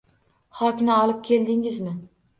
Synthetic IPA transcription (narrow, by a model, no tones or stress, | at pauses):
χɒkʲnɪɒlˠɪp̚kʲʰe̞ld̪ɪŋɪzmɪ